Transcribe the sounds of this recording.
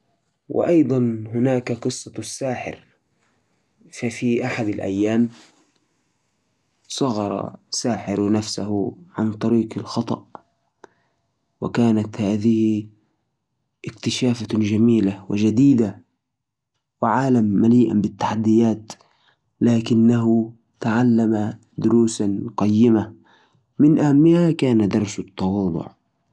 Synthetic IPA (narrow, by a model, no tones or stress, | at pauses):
wɪ̰ʔɑjd̪ˤɑnhʊnaːkaqɨsˤːɑsːaːħɪ̰ɾ | fafiʔaħad̪alʔa̰jːaːm | sˤɑɣɑɾˤɑ̰saːħɪɾnafsahʊʕa̰nt̪ˤɑɾiːqɪlxɑt̪ˤɑ̰ʔ | wɪ̰kaːnat̪haːðɪhɪ | ʔɪkt̪ɪʃaːfad͡ʒamiːlawɪ̰d͡ʒad̪iːd̪a | wɪʕaːlamːaliːʔa̰bɪt̪ːḁħad̪ːɪjaːt̪ | laːkɪnːaɦʊ | t̪aʕalːama | d̪ʊɾuːsanqɑjːɪma | mɪnʔahamːɪhakaːnad̪ɑɾˤsʊt̪ːɑwɑːd̪ˤʊ̰ʕ